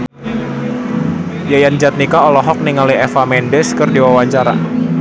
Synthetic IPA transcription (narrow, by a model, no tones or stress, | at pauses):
jajand͡ʒat̪̚nikaɔlɔɦɔk̚niŋaliɛfamɛndɛskɨrdiwawaɲt͡ʃaɾa̰